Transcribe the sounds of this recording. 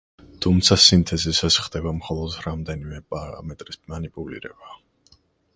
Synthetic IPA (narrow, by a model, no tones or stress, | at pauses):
t̪ʰumt̪sʰasint̪ʰɛzisasχd̪ɛbamχɔlˠɔd̪ɾamd̪ɛnimɛpʼaɾa̰mɛt̪ʼɾismanipʼulḭɾɛ̰ba